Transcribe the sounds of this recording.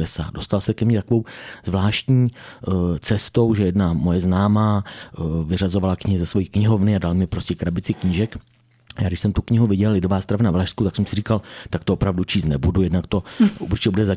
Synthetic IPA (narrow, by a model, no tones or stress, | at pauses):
ɛsa̰ːdo̞st̪alsɛkɛmɲit̪akovo̞wzvlaːʃt̪ɲiː | t͡sɛst̪o̞wʒɛjɛdnamo̞jɛznaːmaː | vɪrazo̞valakɲɪɦɪzasvo̞jiːkɲɪɦovnɪadalmɪpɾo̞scɛkɾabɪt͡sɪkɲiːʒɛk | jaːɡdɪʃsɛmt̪ukɲɪɦuvɪɟɛlɪdovaːst̪ɾavnavlaːʃskut̪aksɛmsɪriːkalt̪akt̪oopɾavdut͡ʃiːst̪nɛbudujɛdnakt̪o̞ṵɾt͡ʃɪ̥cɛbudɛza